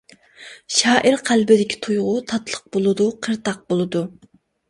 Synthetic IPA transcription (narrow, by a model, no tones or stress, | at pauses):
ʃɑːʔiɾqʰælbɪd̪ɪkʲʰi̥t̪ʰujʁʊt̪ʰɑt̪lˠəq̚b̥olˠɨd̪uqʰəɾt̪ʰɑq̚bolˠɨd̪u